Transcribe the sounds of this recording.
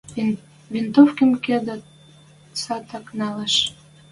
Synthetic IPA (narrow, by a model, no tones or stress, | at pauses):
vint̪ofkəmked̪ə | sɑt̪ɑknɑleʃ